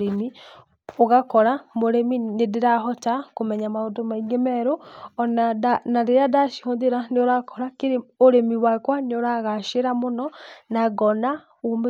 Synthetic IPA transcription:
ɾemi | oɣakɔɾamoɾeminedeɾaɦɔtakomɛɲamaodomaiŋɡemɛɾonaanaɾeadaʃiɔndeɾaneoɾakɔɾakeɾeoɾemiwakwaneoɾaɣaʃeɾamonɔnaɡɔna | om

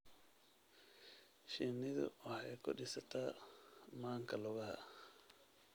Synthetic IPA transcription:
ʃɪnɪðʊ̰ɑħɛjkʰʊ̰ɗɪsɐt̪ʰaːmaːŋkʰɐlʊɣɐhɐ̰

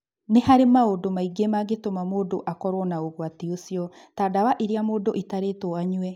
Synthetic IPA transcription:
nehaɾemaodomaiɡemaɡetomamoːdoʔakɔɾɔnaoɣoateosiɔ | tadawaʔiɾiamoːdoʔitaɾetoaɲuɛ

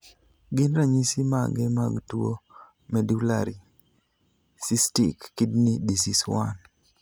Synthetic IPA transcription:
ɡɪnɾaɲisimaɡemaɡtuo | mɛdula̰ɾi | sistḭkːɪdnidisiswan

